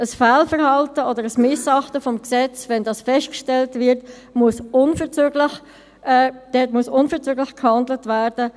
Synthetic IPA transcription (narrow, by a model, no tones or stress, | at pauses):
əsfaːlfəʁhɑltəɔdəɾəsmɪsɑχtəfɔmksɛt͡svɛndɑːsfɛst̚kʃtɛltvɪɾt | muəsʊnfəɾt͡søːɡləx | d̥ɛtmuəsʊnfəʁt͡søːɡlɪxkhɑndlətvæɾd̥ə